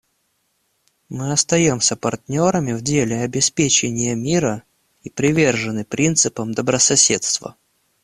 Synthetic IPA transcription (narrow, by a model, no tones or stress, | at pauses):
mɨɐst̪ɐjomsʲəpɐrtʲnʲo̞ɾəmʲɪvdʲelʲɪɐbʲɪspʲet͡ɕɪnʲɪjəmʲiɾə | ipɾʲɪvʲe̞rʐɨnɨpɾʲʔint̪sɨpəmd̪əbɾəsɐsʲe̞t̪st̪və̰